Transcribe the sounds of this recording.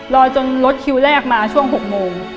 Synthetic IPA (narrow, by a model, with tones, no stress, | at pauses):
lɔː˧t͡ɕo˧nlo˦˥t̪̚kʰi˧wlɛː˥˩k̚maː˧t͡ɕʰu˥˩əŋɦo˨˩k̚moː˧ŋ